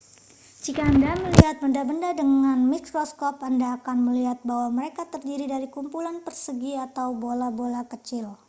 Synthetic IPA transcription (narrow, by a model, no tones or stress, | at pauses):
d͡ʒikaːndaməliɦat̪̚bəndabəndadəŋanmikɾɔskɔpandaːkanməliɦat̪̚baɦwaməɾekat̪ərdiɾidaɾikumpulanpərsəɡiat̪awbolabolakət͡ʃɪl